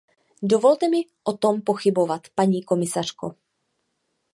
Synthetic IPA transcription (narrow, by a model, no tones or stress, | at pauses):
dovo̞lt̪ɛmɪʔot̪o̞mpo̞xɪbo̞vat̪paɲiːko̞mɪsar̥ko̰